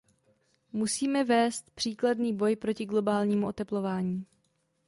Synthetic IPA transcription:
musiːmɛvɛːst̪pr̥iːkladniːbo̞jpɾo̞cɪɡlo̞baːlɲiːmuʔo̞t̪ɛplo̞vaːɲiː

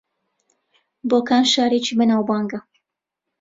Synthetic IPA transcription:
boːkaːnʃaːɾet͡ʃiːbɐnaːwbaːŋɡɐ

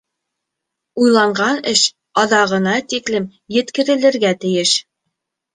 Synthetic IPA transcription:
ujlˠɑɴɢɑnɘʃ | ɑðɑʁɤ̆nɑt̪iklɘm | jɘ̆t̪kɘ̆ɾɘ̆lɘ̆ɾɡæt̪ɘ̆jɘʃ

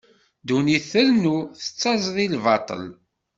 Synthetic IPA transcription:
d̪uniθəlnuθə̥t͡sːɑzˤðˤilvɑt̪ˤə̰l

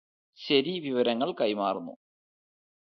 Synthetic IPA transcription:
ɕɐɾiʋiʋɐɾɐŋːɐɭkɐjmaːrunːṵ

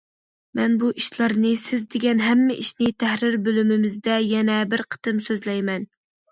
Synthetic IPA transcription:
mɛnbuʔiʃlˠɑɾnɨsɪzd̪eɡʲɛnɦɛmːɪʔiʃnɪt̪ʰæhɾɪɾbølymɪmɪzd̪ɛjɛnɛbɪɾqʰə̥t̪ɨmsøzlɛjmɛn

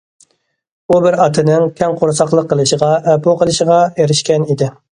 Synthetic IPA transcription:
ubɪɾɑt̪ʰɨnɨŋkʲʰɛŋqʰoɾsɑχlˠəqːəlˠɨʃəʁɑɛpuqʰəlˠɨʃəʁɑeɾɪʃkʲɛnid̪ɪ

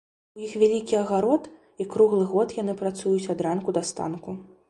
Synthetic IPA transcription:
ujixvʲalʲikʲiɐɣaɾɔt̪ | ikɾuɣlˠɨɣɔt̪janɨpɾat̪sujut͡sʲad̪ɾankud̪ɐst̪a̰nku

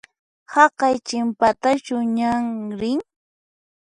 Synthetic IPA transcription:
hɑqɑjt͡ʃɪmpat̪at͡ʃʊɲaŋɾɪŋ

